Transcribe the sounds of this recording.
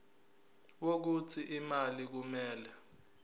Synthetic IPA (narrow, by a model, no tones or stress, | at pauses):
wok̬ut͡sʰiʔimalik̬umɛːlɛ